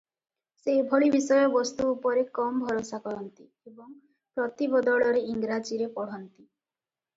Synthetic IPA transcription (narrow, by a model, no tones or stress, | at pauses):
sebʱoɭibisɔjɔbɔst̪uːpɔɾekɔmbʱɔɾosakɔɾɔnt̪i | ebɔŋ | pɾɔt̪ibɔd̪ɔɭɔɾeiŋɡɾad͡ʒiɾepɔɽ̤ɔnt̪i